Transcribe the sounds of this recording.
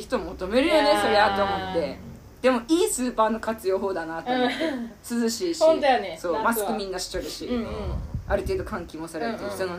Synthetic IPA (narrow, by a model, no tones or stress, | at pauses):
çi̥t̪omot̪o̞me̞ɾɯ̟jo̞ne̞so̞ɾe̞at̪oːmo̞t̪ːe̞ | d̪e̞mo̞ʔiːsɨːpaːno̞kat͡sɨjo̞ːɦo̞ːd̪anat̪ːesɨzɨɕiːɕõnt̪ojoneso̞ːmasɨ̥kɯ̟mʲĩnːaɕi̥t͡ɕoɾɯ̟ɕi | aɾɯ̟t̪e̞ːd̪o̞kãŋkʲimosaɾeɾɯeç̥t̪ono